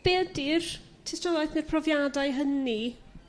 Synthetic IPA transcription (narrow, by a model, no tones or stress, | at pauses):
b̥ɛːdir | tʰɛstɔlˠajθnɨrpʰrɔvjadaɨɦəni